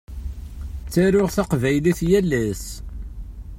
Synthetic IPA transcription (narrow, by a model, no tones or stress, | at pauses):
t͡sːæɾʊʁθaqvæjliθjælːæs